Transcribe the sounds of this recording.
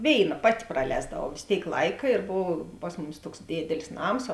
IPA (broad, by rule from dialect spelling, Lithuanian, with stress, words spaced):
ˈʋʲeːɪˌnɐ ˈpɑːtʲɪ prɐˈlʲɛːzdɐʋɐʊ ʋʲeːs ˈtʲeːɪk ˈlˠɐɪkɐ ɪr ˈboːw ˈpɐs mʊˌmʲɪs ˈtuɔks ˈdʲeːdʲɛlʲɪs ˈnɐms